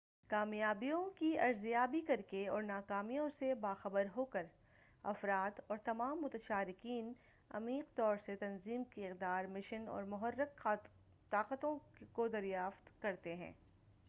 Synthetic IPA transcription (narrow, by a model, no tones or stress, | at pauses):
kaːmjaːbijõkiɐɾzijaːbikɐɾkeɔːɾnaːkaːmijõsebaːxɐbəɾɦoːkəɾ | ɐfɾaːd̪ɔːɾt̪ɐmaːmːʊt̪əʃaːɾɪkiːn | ɐ̰miːqt̪ɔːɾset̪ɐnziːmkiɪqd̪aːɾmɪʃənɔ̰ːɾmʊɦərːəq | t̪aːqət̪õkod̪ɐɾjaːft̪kɐɾt̪eɦɛ̰̃ː